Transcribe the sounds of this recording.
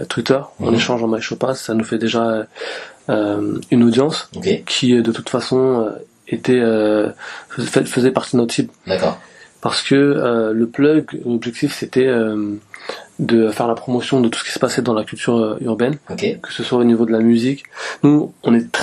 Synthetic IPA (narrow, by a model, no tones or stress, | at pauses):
t̪wit̪œʁɑ̰̃neʃɑ̃ʒɑ̃majʃopasanufɛd̪eʒaø | ømynod̪jɑ̃skekʲʰid̪ət̪ut̪fasɔ̃ø | et̪ɛø | fɛfəzɛpaʁt̪id̪ənɔt̪sibd̪akːʁpaʁsə̥kəøləplœɡlɔbʒɛk̚t̪ifset̪ɛøm | d̪əfɛʁlapχɔmɔsjɔ̃d̪ət̪u̥sə̥kʲi̥sə̥pasɛd̪ɑ̃lakʲylt̪ʰyʁøyʁbɛnkʲkə̥səswaonivod̪əlamyziknuɔ̃nɛt̪